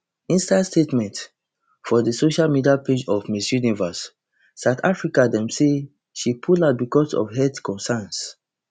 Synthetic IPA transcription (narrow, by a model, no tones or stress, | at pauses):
ĩnstadstetmɛ̃nt | fɔdəsoʃalmidiaped͡ʒɔvmisjunivasː | aʊtʰafɹikadɛ̃mse | ʃipʰulatbikɔsɔ̰fɦɛdkɔ̃nsɛns